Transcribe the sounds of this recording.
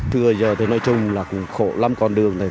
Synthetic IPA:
t̪ʰɨ˧əzəː˨˩t̪ʰoː˨˧˦nɔ˧˦jt͡ɕʊ˧ŋ͡mlaː˨˩kʊ̰˧˥ŋ͡mxo̰˧˨la˧mkɔ˧˩nɗɨ˨˩əŋna˨˩j

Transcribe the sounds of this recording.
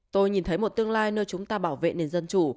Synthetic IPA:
t̪o˧jɲi˨˩nt̪ʰə˨˦jmo˨˩t̚t̪ɨ˧əŋlaː˧jnəː˧jt͡ɕʊ˨˦ŋ͡mt̪aː˧ɓaː˧˩wvḛ˧˨ne˨˧nzə˧nt͡ɕu˧˩

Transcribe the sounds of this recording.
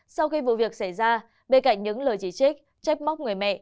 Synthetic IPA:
sa˧wxi˧vṵ˧˨vi˨˩ək̚sa˧˩jzaː˧ | ɓe˧nka̰˧˨jŋ̟ɲɨ̰˧˥ŋləː˨˩jt͡ɕi˧˩t͡ɕi˦˥k̚ | t͡ɕa˦˥p̚ma˦˥k͡p̚ŋɨ˨˩əjmɛ̰˧˨ʔ

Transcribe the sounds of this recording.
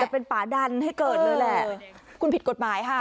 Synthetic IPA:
ɛ˨˩pe˧npaː˩˦da˧nha˥˩jkɤː˨˩t̪̚naː˧˩lɛ˨˩kʰu˧npʰi˨˩t̪̚ko˨˩maː˩˦jkʰa˦˥˩

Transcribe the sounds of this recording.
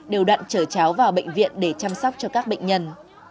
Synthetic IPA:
ɗe˨˩wɗwa̰ː˧˨nt͡ɕəː˧˩t͡ɕaː˨˦wvaː˨˩wɓḛ˧˨ŋ̟vḭ˧˨ənɗe˧˩t͡ɕaː˧msɔ˦˥wk͡p̚t͡ɕɔ˧kaː˦˥k̚ɓə̰˧˨jŋ̟ɲə˧n

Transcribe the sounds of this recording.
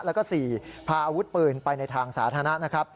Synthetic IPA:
lɛ˦˥kɔː˥˩siː˨˩pʰaː˧ʔaː˧wu˦˥t̪̚pɤː˧˩npa˧jna˧jt̪ʰaː˧ŋsa̰ː˩˦t̪ʰaː˧na˦˥ʔna˦˥kʰɾa˦˥p̚

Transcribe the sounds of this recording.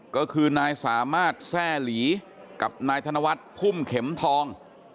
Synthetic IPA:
kɔː˥˩kʰɯː˧naː˧jsaː˩˦maː˥˩t̪̚sɛː˥˩liː˩˦ | ka˨˩p̚naː˧jt̪ʰa˧na˧wa˦˥t̪̚pʰu˥˩mkʰe˩˦mt̪ʰɔː˧ŋ

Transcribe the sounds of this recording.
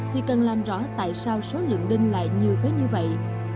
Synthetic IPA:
t̪ʰi˨˩kə˨˩nlaː˨˩mzɔ̰˧˥t̪a̰ː˧˨jsaː˧wso˨˦lɨ̰˧˨əŋɗï˧ŋ̟la̰ː˧˨jɲi˨˩əwt̪əː˨˦jɲɨ˧və̰˧˨j

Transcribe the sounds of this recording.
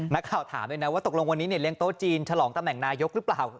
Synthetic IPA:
na˦˥kʰːaː˨˩wt̪ʰa̰ː˩˦mju˧na˦˥waː˥˩t̪o˨˩lo˧ŋwa˧nːiː˦˥ni˥˩li˥˩əŋt̪oː˥˩t͡ɕiː˧nt͡ɕʰa˧lɔː˩˦ŋt̪a˧mnɛ˨˩ŋnaː˧jo˦˥k̚ɾɯ˦˥plaː˨˩w

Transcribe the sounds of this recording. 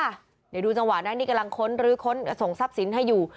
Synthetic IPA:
da˨˩˦duː˧t͡ɕa˧ŋwa˨˩naː˦˥niː˥˩ka˧la˧ŋkʰo˦˥nɾɯː˨˦kʰo˦˥n˧so˨˩ŋsa˦˥˩p̚si˩˦nɦa˥˩jːuː˨˩

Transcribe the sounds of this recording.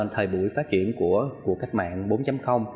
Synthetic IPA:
t̪ʰəː˨˩jɓṵ˧˩˨jfaː˦˥t̚t͡ɕḭ˧˨ənku˧˩əku˨˩əkːa˦˥k̚ma̰ː˧˨nɓo˨˦nt͡ɕa˨˦mxə˧wŋ͡m

